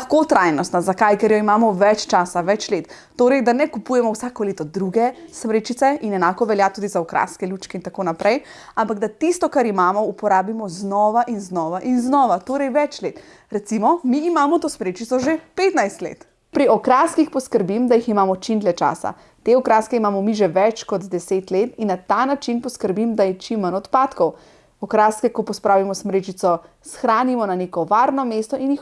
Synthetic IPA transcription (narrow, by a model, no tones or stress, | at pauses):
lɐxkot̪ɾajnɔst̪nazakajkɛɾjɔimaːmɔʋɛt͡ʃt͡ʃaːsaʋɛt͡ʃleːt̪ː | oːɾɛjd̪anɛkupujɛmɔwsaːkɔleːt̪ɔd̪ɾuɡɛsmɾeːt͡ʃit̪sɛinɛnaːkɔʋɛljat̪uːd̪izaɔkɾʔa̰skɛluːt͡ʃkɛint̪akoːnapɾʔɛjampaɡd̪at̪ist̪ɔkaɾimaːmɔupɔɾaːbimɔznɔʋaʔinznɔʋaʔinznɔːʋat̪oːɾɛjʋɛt͡ʃleːt̪ | ɾɛt̪simɔmiːmaːmɔt̪oːsmɾeːt͡ʃit̪sɔʒepet̪najst̪lḛːt̪ | pɾiɔkɾaːskixpɔskəɾbimd̪ajiximaːmɔt͡ʃimt̪lɛt͡ʃa̰ːsa̰ | t̪eɔkɾaːskɛimaːmɔmiʒɛʋɛt͡ʃkɔd̪d̪ɛseːt̪let̪inːat̪anat͡ʃinpɔskəɾbimd̪ajɛt͡ʃimːənɔt̪paːt̪kɔw | ɔkɾaːskɛkɔpɔspɾaːʋimɔsmɾeːt͡ʃit̪sɔ | sxɾaːnimɔnaneːkɔʋaɾnɔmeːst̪ɔʔinjix